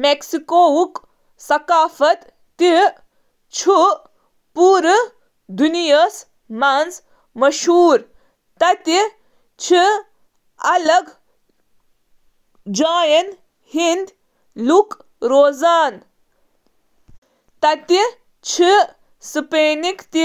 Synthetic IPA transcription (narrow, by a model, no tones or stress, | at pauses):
meksikoːuk | sɐkaːfɐt̪ː | i | t͡ʃʰu | puːɾɨ | d̪unijɐs | mɐnz | mɐʃuːɾ | t̪ɐt̪i | t͡ʃʰi | ɐlɐɡ | d͡ʒaːjɐn | hind̪ | luk | ɾoːzaːn | t̪ɐt̪i | t͡ʃʰi | sɨpeːnikt̪i